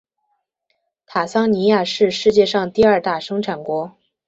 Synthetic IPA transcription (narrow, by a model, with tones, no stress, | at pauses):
t̪ʰa˨˩sɑ˥ŋni˧˥ja˥˧ʂɻ̩˥˧ʂɻ̩˥˧t͡ɕjɛ˥˧ʂɑ˥˧ŋt̪i˥˧ɐ˞˥˧t̪a˥˩ʂɤ˥ŋʈ͡ʂʰa˨˩nkwɔ˧˥